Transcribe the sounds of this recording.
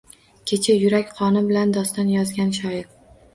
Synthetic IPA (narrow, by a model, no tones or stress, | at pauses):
kʲʰet͡ʃʰajʊɾakʲqʰɒnɪbɪland̪ɒst̪anjɒzɡʲanʃɒɪɾ